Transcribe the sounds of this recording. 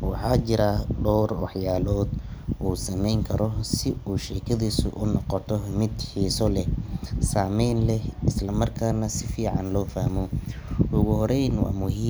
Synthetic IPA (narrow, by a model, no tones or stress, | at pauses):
wɑ̰ħɑːt͡ʃɪɾaɖɔːrwɑ̰ħjaːlɔːd̪ | ʔuːsɐmɛjŋkʰɐɾɔsɪuːʃɛːkʰɐðiːsʊ̰ʔʊnɔqɔt̪ʰɔmɪd̪ħiːsɔlɛsaːmɛjnlɛhɪslɐmɐrkʰaːnɐsɪfiːʕɑnlɔːfɐhmɔ | ʊɣʊhɔɾɛjnwɑ̰ːmʊɦiː